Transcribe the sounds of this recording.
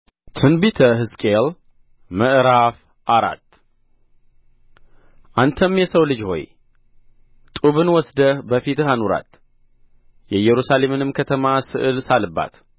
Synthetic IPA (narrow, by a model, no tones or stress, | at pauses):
t̪ʰɨnbit̪ʰəɦɨskʼel | məʔɾaf | ʔaɾa̰t̪ː | ʔant̪ʰəmjɛsəwlɨd͡ʒho̞̰j | t̪ʼuβɨnwɔsd̪əhbəfit̪ʰɨhanuɾa̰t̪ | jɛjɛɾusale̞mɨnɨmkʰət̪ʰəmasɨʔɨlsalɨbːa̰t̪